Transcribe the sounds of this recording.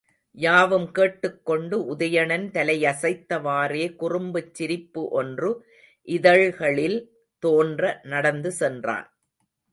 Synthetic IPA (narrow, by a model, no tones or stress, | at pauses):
jaːʋɯmkeːʈːɯkːɔɳɖɯʊðɐjɐɳɐnt̪ɐlɐjɐsɐɪt̪ːɐʋaːreːkʊrʊmbɯt͡ʃːɪɾɪpːɯʔɔndrɯ | ʔɪðɐɻɣɐɭɪl | t̪oːndrɐnɐɽɐnd̪ɯsɛndra̰ːn